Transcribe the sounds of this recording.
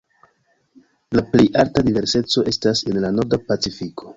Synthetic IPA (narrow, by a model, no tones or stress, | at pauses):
laple̞jʔaltadive̞ɾse̞t͡so̞ʔe̞stase̞nlano̞ɾdapat͡sifikʰo̞̥